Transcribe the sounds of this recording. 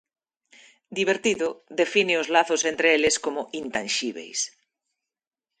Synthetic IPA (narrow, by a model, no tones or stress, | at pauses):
d̪iβ̞eɾt̪iðoðefineozlaθosent̪ɾeeleskomoʔint̪ãnʃiβḛjs